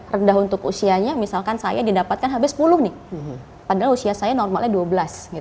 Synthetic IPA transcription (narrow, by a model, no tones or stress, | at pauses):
rəndaɦunt̪ʊkusiaɲamisalkansajadidapat̪̚kanɦabɪsːə̥pulʊhnɪh | padaɦalusiasajanɔrmalɲaduabəlasɡit̪